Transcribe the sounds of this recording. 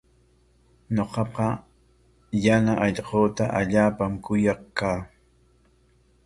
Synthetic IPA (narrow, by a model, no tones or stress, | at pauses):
ɲoqɑqɑ | janaʔɑʎqoːt̪aʔaʎaːpamkʊjɑχkaː